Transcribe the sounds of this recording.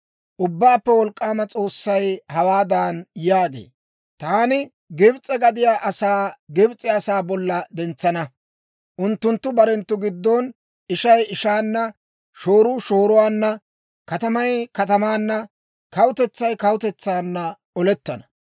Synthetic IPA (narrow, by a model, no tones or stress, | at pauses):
ʔʊbːaːpːɛwɔlkʼːaːmɐt͡sʼo̞ːsːɐjhɐwaːd̪aːnjaːɡḛː | t̪aːnɪ | ɡɪbt͡sʼːɛɡɐd̪ɪjaːʔɐsaːɡɪbt͡sʼɪɐsaːbɔlːɐd̪ɛnt͡sːɐnɐ | ʔʊnt̪ːʊnt̪ːʊbɐɾɛnt̪ːʊɡɪd̪ːon | ʔɪʃɐjɪʃaːnːɐ | ʃo̞ːɾʊʃo̞ːɾʊwaːnːɐ | kɐt̪ɐmɐjkɐt̪ɐmaːnːɐ | kɐwʊt̪ɛt͡sːɐjkɐwʊt̪ɛt͡sːaːnːɐ | ɔlɛt̪ːɐnɐ̥